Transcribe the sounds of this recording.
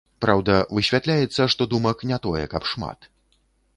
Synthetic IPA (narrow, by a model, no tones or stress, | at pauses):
pɾawd̪ɐvɨɕʲvʲat̪lʲajɛt̪sːɐʂt̪ɔd̪umɐknʲɛt̪ɔjɛ̰kɐpʂma̰t̪